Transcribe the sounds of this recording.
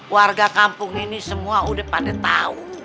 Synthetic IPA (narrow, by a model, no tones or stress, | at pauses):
warɡakampʊŋinisəmuaudahpadat̪aʊn